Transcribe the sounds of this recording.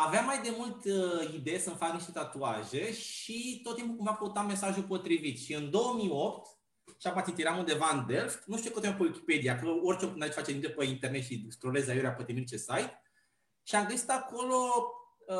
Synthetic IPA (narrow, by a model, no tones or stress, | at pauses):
aveamajd̪e̞mult̪əid̪ejesəɨmfakniʃt̪e̞t̪at̪uaʒe̞ʃit̪ot̪̚ːimpukumvakəwut̪amːe̞saʒupo̞t̪ɾivit̪ʃiɨnd̪o̞wəmio̞pt̪ | ʃapat̪ʲit̪iɾamund̪e̞vaɨnd̪elft̪nuʃt̪uokot̪oepəwikʲi̥pe̞d̪iakoloorʲt͡ʃeokɨnd̪ait͡ʃfat͡ʃed̪int̪epeint̪ernet̪ʃist̪ɾolezajuɾʲeapət̪emirt͡ʃesajt̪ | ʃiamɡəsi̥t̪ako̞lo̞